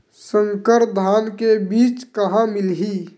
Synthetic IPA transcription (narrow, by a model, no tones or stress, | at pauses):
sə̃ŋkəɾd̪ʱaːnkebiːt͡ʃkəɦãmɪlɦiː